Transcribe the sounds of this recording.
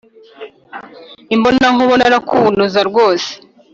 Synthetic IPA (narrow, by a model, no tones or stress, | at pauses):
imbonaŋuβonaɾakʰuβunuzaɾɡo̞ːse̥